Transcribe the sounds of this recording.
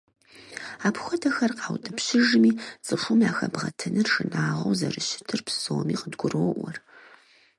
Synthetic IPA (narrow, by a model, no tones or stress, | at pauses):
aːpxʷɔtʰɐxɐrqɑːwdʰɨpɕɪʒmiːt͡sʼɨʂʷʊmaːxɐbʁɐ̰tʰɨnɨrʂɨnaːʁɐ̰wzɐrɨɕɪ̥tʰɨrpssowɔmiːqədɡʷʊroɔʔʷɔr